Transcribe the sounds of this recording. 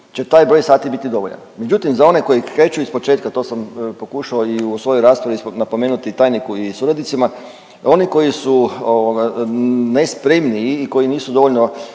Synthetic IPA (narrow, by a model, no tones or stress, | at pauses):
t͡ʃe̞t̪aːjbɾo̞jsaːt̪ibit̪id̪o̞ʋoʎa̰nme̞d͡ʒut̪imzao̞nekojikɾe̞t͡ʃuispo̞t͡ʃeːt̪̚kat̪o̞ːsampo̞kuʃaoiusʋo̞jojɾaːspɾaʋisnapo̞meːnut̪it̪aːjnikuisuɾad̪nit̪sima | o̞niko̞jisuoʋoɡanespɾemniːko̞jiniːsud̪o̞ʋo̞ʎno